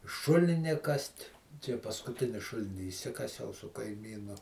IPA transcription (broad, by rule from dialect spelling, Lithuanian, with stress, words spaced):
ˈʃʊlʲɪnʲɪ ˈkɐsʲtʲ ˈt͡ʃʲɛ pɐskʊˈtʲɪnʲɪ ˈʃʊlʲɪnʲɪ ɪʃʲˈsʲɪkɐsʲɛʊ sʊ kɐɪˈmʲiːnʊ